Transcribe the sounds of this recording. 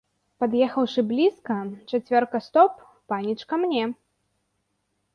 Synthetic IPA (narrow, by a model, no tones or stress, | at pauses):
pad̪jɛxɐwʂɨblʲiskɐt͡ʂat͡sʲvʲɔrkɐst̪ɔpː | anʲit͡ʂkɐmnʲɛ